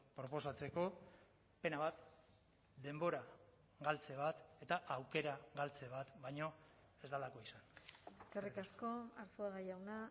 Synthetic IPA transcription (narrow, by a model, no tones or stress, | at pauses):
pɾo̞po̞sat͡se̞ko̞ | pe̞naβat̪ | d̪e̞mbo̞ɾa | ɣalt͡se̞βat̪e̞t̪aʔawke̞ɾaɣalt͡seβ̞at̪bajɲo̞ | e̞zd̪alako̞isaneskerikasko̞aɾsuaɣajawna